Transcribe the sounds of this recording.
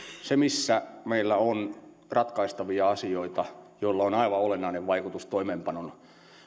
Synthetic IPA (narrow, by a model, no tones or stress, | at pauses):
semisːæmeilːæon | rɑt̪kɑist̪ɑʋiɑɑsioit̪ɑjoilːɑonɑiʋɑolenːɑineʋʋɑikut̪ust̪oimeːmpɑnonu